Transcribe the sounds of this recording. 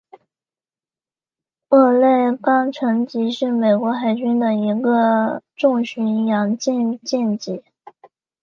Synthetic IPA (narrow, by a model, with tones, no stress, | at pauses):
ɤ˥˧le˥˩ɪkɑ˥ŋʈ͡ʂʰɤ˧˥ŋt͡ɕi˧˥ʂɻ̩˥˩me˨˩ɪkwɔ˧˥xa˨˩ɪt͡ɕy˥nd̪ə˨i˧˥ɡə˧ʈ͡ʂʊ˥˩ŋɕy˧˥njɑ˧˥ŋt͡ɕjɛ˥˧nt͡ɕjɛ˥˩nt͡ɕi˧˥˦